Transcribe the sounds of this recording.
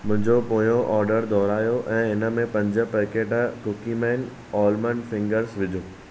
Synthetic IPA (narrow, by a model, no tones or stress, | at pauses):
mʊ̃ɦɪ̃ɲd͡ʑopoːjoʔɔːɾɖəɾd̪ɔːɾaːjoʔɛ̃ːɪnə̆mẽpɐ̃ɲd͡ʑə̆pəkeːʈkʊkimɛːn | ɔːlmənfɪ̃ŋɡəɾsʋɪd͡ʑʱoː